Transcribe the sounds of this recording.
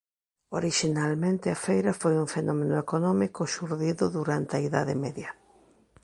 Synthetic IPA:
oɾiʃinalmẽnt̪ɪɐfejɾɐfojuŋfenɔmenʊekonɔmikʊʃuɾðiðʊðuɾant̪ɐiða̰ðɪmeðjɐ

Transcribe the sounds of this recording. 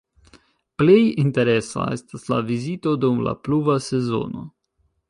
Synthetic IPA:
plejinte̞ɾe̞sa̰e̞staslavizito̞dumla̰pluvase̞zo̞̰no̞̰

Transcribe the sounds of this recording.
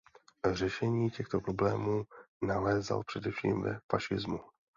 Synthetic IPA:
r̝ɛʃɛɲiːcɛxt̪o̞pɾo̞blɛːmuːnalɛːza̰lpr̝̥ɛdɛfʃḭːmvɛ̰faʃɪzmu

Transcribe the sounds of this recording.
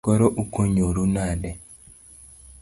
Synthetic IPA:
kɔɾɔʔukoɲoɾunadɛ

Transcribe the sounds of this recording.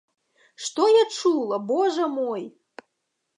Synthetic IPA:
ʂt̪ɔjat͡ʂulˠɐbɔʐɐmɔj

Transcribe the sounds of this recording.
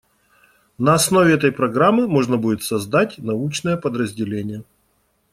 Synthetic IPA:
nɐɐsno̞vʲɪɛt̪əjpɾɐɡɾamːɨmo̞ʐnəbudʲɪt̪sɐzd̪atʲnɐut͡ɕnəjəpəd̪ɾəzʲdʲɪlʲenʲɪjə

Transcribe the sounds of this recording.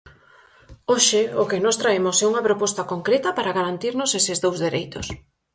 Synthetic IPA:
oʃɪokɪnɔst̪ɾaemʊsɛuŋɐpɾopɔst̪ɐkoŋkɾet̪ɐpaɾaɣaɾant̪iɾnʊsesɪzðowzðeɾejt̪o̰s

